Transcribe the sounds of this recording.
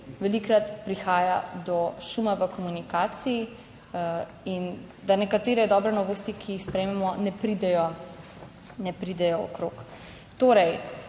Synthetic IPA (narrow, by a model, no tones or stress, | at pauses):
ʋɛlikɾat̪pɾixaːja̰d̪ɔʃumaʋəkɔmunikaːt̪siji | in | d̪anɛkat̪eːɾɛd̪ɔbɾɛnɔʋoːst̪ikʰijixspɾɛjmɛmɔnɛpɾid̪ɛjɔ | nɛpɾid̪ɛjɔɔ̰kɾoːk | t̪oːɾɛj